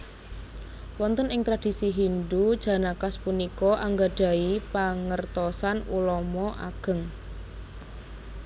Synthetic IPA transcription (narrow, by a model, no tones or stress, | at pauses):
wɔnt̪ɔnɪŋt̪ɾad̥i̤siɦindud̥ʒ̥ä̤nakaspunikɔʔaŋɡaɖ̥ä̤ipaŋərt̪ɔsanṵlɔmɔʔa̰ɡ̥ə̤ŋ